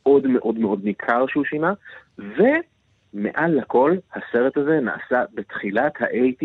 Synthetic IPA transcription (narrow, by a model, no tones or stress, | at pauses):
ʔo̞dme̞ʔo̞dmeʔo̞dmikʰaʁʃeuʃinave̞ | mḛʔalhako̞lhase̞ʁethaze̞na̰ʔa̰sabe̞tχilat̪haʔejti